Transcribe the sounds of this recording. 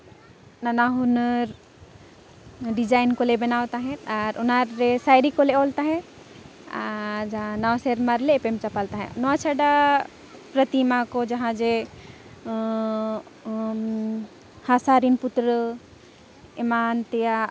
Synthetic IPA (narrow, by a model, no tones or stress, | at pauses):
nanaɦunəɾ | ɖid͡ʒajnkɔlebɛnawt̪aɦɛ̃t̪aɾɔnaɾːesajɾikɔleɔlt̪aɦɛ̃ | a̰d͡ʒaãnawseɾmaɾleːpemt͡ʃapalt̪aɦɛ̰̃nɔat͡ʃʰaɖa | pɾət̪imakɔd͡ʒaɦãd͡ʒe | hasaɾinput̪ɾə | ɛmant̪ɛja